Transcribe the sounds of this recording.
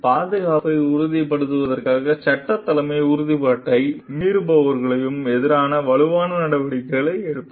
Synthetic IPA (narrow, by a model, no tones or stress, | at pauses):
paːðɐɣaːpɐɪʊɾʊðipɐɽɯt̪ːɯʋɐðɐrkaːɣɐt͡ʃɐʈːɐt̪ːɐlɐmɐɪʊɾʊðipaːʈːɐɪmiːɾɯbɐʋɐɾɣɐɭɐjɯmɛðɪɾaːnɐʋɐɭɯʋaːnɐnɐɽɐʋɐɽɪkːɐɭɐɪɛɽɯt̪ː